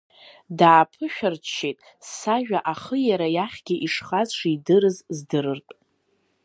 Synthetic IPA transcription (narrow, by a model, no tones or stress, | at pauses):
daːpʰɨʃᶣart͡ʃːetʼ | saʒᶣaʔaχəjaɾajaχʲɡʲɪʔiʂχazʂidɨɾɨzzdɨɾɨrtʼ